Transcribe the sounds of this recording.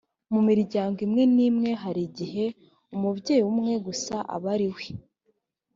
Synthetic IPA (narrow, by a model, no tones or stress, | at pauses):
mumiɾɾɟaːŋɡimŋe̞niːmŋe̞ɦaɾiɟiɦe̞ | umubɟe̞ːjumŋe̞ɡusaʔa̰βaɾiwe